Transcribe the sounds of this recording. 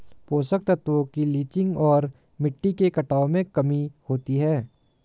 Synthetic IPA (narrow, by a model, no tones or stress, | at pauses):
poːsək̚t̪ət̪ʋokiliːt͡ʃɪ̃ŋɡɔːɾ | mɪʈːikekɐʈaːomẽkɐmihoːt̪iɦɛː